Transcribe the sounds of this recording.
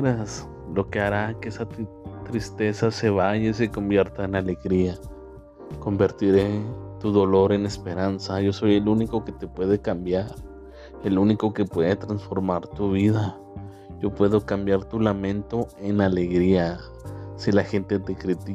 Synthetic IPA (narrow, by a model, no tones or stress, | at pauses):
ɾas | lo̞keaɾakeesa | t̪ɾist̪e̞saseβaʝes̬eko̞mbje̞ɾt̪aenale̞ɣɾia | ko̞mbe̞ɾt̪iɾet̪uðo̞lo̞ɾe̞ne̞spe̞ɾansaʝo̞so̞jeluniko̞ket̪epwe̞ðe̞kambjaɾ | eluniko̞ke̞pwe̞ðet̪ɾansfo̞ɾmaɾt̪uβ̞iða | ʝo̞pwe̞ðo̞kambjaɾt̪ulamẽ̞nt̪o̞e̞naleɣɾia | silaxe̞nt̪e̞t̪ekɾit̪i